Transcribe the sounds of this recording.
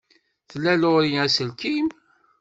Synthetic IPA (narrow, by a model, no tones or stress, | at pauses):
θəlːæloɾiæsəlkim